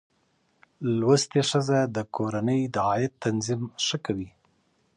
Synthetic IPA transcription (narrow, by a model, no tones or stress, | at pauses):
lwəst̪eʂəzad̪əkoɾanəjd̪əɑjɪt̪ːanzimʂəkawi